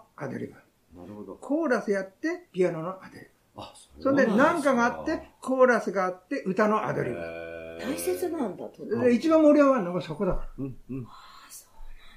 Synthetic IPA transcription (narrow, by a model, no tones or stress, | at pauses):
ad̪o̰ɾʲḭba | kʰo̞ːɾasɨjat̪ːe̞pʲianonoʔad̪oɾiba | sõ̞nd̪enãŋkaɡaːt̪ːe̞kʰo̞ːɾasɨɡaːt̪ːe̞ʔɯ̟t̪ano̞ʔa̰d̪oɾʲḭba̰t̪aiset͡sɨnãnd̪at̪oit͡ɕibãmːoɾʲijoβanːoɡosoko̞d̪akaɾa | o̥